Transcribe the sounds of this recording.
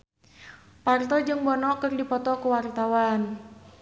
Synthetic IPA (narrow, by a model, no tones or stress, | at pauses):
part̪ɔd͡ʒɨŋbɔnɔkərdipɔt̪ɔkuwart̪awan